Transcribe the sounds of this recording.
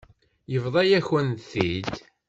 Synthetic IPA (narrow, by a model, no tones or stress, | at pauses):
jəvðˤɑjæçwənθid̪